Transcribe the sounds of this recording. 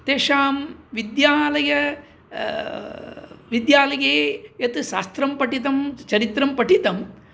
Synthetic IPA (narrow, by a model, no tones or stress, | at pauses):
t̪eːʂaːmʋid̪jaːlɐjɐ | ʋid̪jaːlɐjeːjɐt̪ɨʃaːst̪ɾɐmpɐʈit̪ɐmt͡ʃɐɾit̪ɾɐmpɐʈit̪ɐm